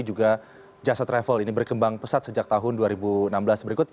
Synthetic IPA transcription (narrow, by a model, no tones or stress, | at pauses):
d͡ʒuɡa | d͡ʒasat̪ɾefəlinibərkəmbaŋpəsat̪̚səd͡ʒak̚t̪aɦʊnduaɾibuənambəlasbəɾikʊt̪̚